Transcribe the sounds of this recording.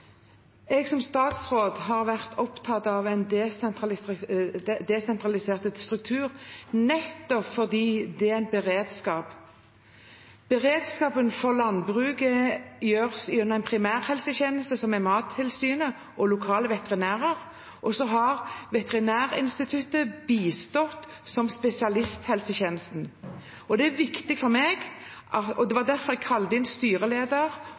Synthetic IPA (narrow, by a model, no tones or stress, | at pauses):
ɛɡsɔmst̪ɑːt̪sʁoːd̪ɦɑʁʋæʁt̪ʰɔpt̪ʰɑt̪ɑʋæɪnt̪ɑ | d̪ɛsɛnt̪ʁɑlɪseːʁt̪əd̪st̪ʁʉk̚t̪ʰʉːʁnɛt̪ːɔpfɔʁd̪iːd̪ɛæɪnbəʁeːd̪skɑːp | b̥əʁeːd̪skɑːpənfɔʁlɑnbʁʉːkəjøːʁəsʉnːəʁæɪnpʰʁɪmæːʁhɛlsəçeːnəst̪əsɔmæmɑːt̪ʰːɪlsyːnə | ʔɔlʊkʰɑːləʋɛt̪əʁɪnæːʁəʁ | ʔɔsɔɦɑʁʋɛt̪əʁɪnæːʁɪ̰nst̪ɪt̪ʰʉt̪ːəbiːst̪ɔt̪ː | sɔmspɛsɪɑlɪst̪hɛlsəçeːnəst̪n̩ | ɔd̪ɛæʋɪkt̪ɪɡfɔɾmeːɡ | ʔɑɔd̪ɛʋɑd̪æʁfɔɾʁɛɡ̚kʰɑlːd̪ɪnst̪yːʁəleːd̪əʁ